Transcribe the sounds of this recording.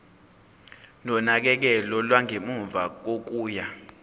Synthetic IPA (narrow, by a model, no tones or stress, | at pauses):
nɔnak̬ɛk̬ɛlɔlwaŋʱemuɱvʱak̬ok̬uːja